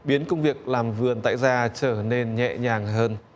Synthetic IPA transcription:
ɓi˨˦ənkə˧wŋ͡mvi˨˩ək̚laː˨˩mvɨ˨˩ənt̪a̰ː˧˨jzaː˧t͡ɕəː˧˩ne˧nɲɛ̰˧˨ɲaː˨˩ŋɦəː˧n

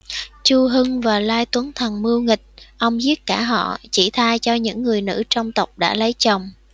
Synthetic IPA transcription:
t͡ɕu˧ɦɨ˧ŋvaː˨˩laː˧jt̪wə˨˦nt̪ʰə˨˩nmɨ˧wŋï˨˩k̟̚ʔə˧wŋ͡mzi˦˥ət̚kaː˧˩ɦɔ̰˧˨t͡ɕi˧˩t̪ʰaː˧jt͡ɕɔ˧ɲɨ̰˧˥ŋːɨ˨˩əjnɨ̰˧˥t͡ɕɔ˧wŋ͡mt̪ə˨˩wk͡p̚ɗa̰ː˧˥lə˨˦jt͡ɕə˨˩wŋ͡m

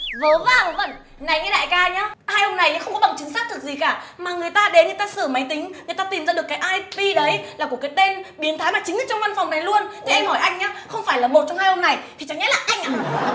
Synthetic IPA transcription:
vəː˨˦vaː˨˩˨və̰˧˨n | na˨˩jŋɛ˧˦ɗa̰ː˧˨jkaː˧ɲaː˨˦haː˧jho˧ŋ͡mna˨˩ja˨˦xə˧wŋ͡mkɔ˨˦ɓa˨˩ŋt͡ɕɨ˨˦ŋsaː˦˥t̪̚ʰɨ˨˩k̚zi˨˩kaː˧˩maː˨˩ŋɨ˨˩əjt̪aː˧ɗe˨˦nɨ˨˩ət̪aː˧səː˧˩ma˨˦jt̪ï˨˦ŋ̟ŋɨ˨əjt̪aː˧t̪i˨˩mzaː˧ɗɨ˨˩əkːaː˨˦jʔaː˧jɓi˧ɗə˨˦jlaː˨˩ku˧˩əkːaː˨˦jt̪e˧nɓi˨˦ənt̪ʰaː˨˦jmaː˨˩t͡ɕï˨˦ŋ̟ɨː˨˧˩t͡ɕɔ˧ŋ͡mva˧nfɔ˨˩wŋ͡mna˨˩jlu˧ənt̪ʰi˨˩ʔa˧jŋhɔ˧˩jʔa˧jŋɲaː˨˦xə˧wŋ͡mfaː˧˩jlaː˨˩ɓo˨˩t̚t͡ɕɔ˧wŋ͡mhaː˧jho˧ŋ͡mna˨˩jt̪ʰi˨˩t͡ɕa˨˦ŋʔɛ˦˥laː˨˩ʔa˧jŋ̟ʔaː˨˩

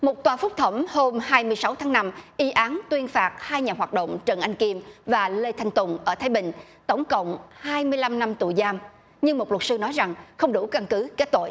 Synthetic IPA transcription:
mo˨˩t̚t̪waː˨˩fʊ˦˥k͡p̚t̪ʰə˧˩wŋ͡mho˧mhaː˧jmɨ˧əjsa˨˦wt̪ʰaː˨˦ŋna˧mʔi˨˦ʔaː˨˦nt̪wi˧ənfaː˨˩t̚haː˧jɲaː˨˩ɦwaː˨˩t̚ɗo̰˧˨wŋ͡mt͡ɕə˨˩nʔa˧jŋ̟ki˧əmvaː˨˩le˧t̪ʰa˧jŋ̟t̪ʊ˨˩ŋ͡mʔəː˧˩t̪ʰaː˨˦jɓï˧˨ŋ̟ | t̪ə˧˩wŋ͡mkə̰˧˨wŋ͡mhaː˧jmɨ˧əjla˧mna˧mt̪ṵ˧˨jzaː˧m | ɲɨ˧ŋmo˨˩lt̚sɨ˧nɔ˨˦jza˨˩ŋxə˧wŋ͡mɗu˧˩ka˧nkɨ˨˦ke˦˥t̚t̪o̰˧˨j

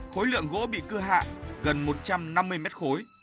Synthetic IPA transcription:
xo˨˦jlɨ̰˧˨əŋɣo̰˧˥ɓḭ˧˨kɨ˧ɦa̰ː˧˨ʔɣə˨˩nmo˨˩t̚t͡ɕa˧mna˧mːɨ˧əjmɛ˦˥t̚xo˨˦j

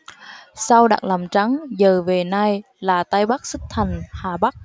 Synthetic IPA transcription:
sa˧wɗa̰ː˨˩k̚laː˨˩mt͡ɕa˨˦ŋzəː˨˩ve˨˩na˧j | laː˨˩t̪a˧jɓa˦˥k̚sɨ˦˥k̚t̪ʰa˨˩jŋ̟haː˨˩ɓa˦˥k̚

